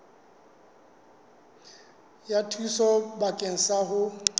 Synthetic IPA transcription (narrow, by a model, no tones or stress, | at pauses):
jatʰwisɔbakʼeŋ̩saɦʊ